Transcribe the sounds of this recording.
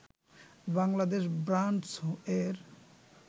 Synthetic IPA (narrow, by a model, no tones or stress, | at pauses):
baŋlad̪eʃbɾaɳʈsoeɾ